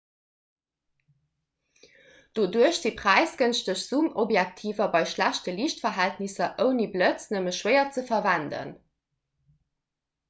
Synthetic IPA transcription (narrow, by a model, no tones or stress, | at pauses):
d̥oːduəɕz̥ipʁ̥æɪsɡ̥ənʃtəɕz̥umʔobjæk̚tʰiːvɐbɑɪʃlæɕtəliːʃtfɐɦæltnisɐʔəʊniblət͡snəməʃwəɪɐt͡səfɐvændə̰n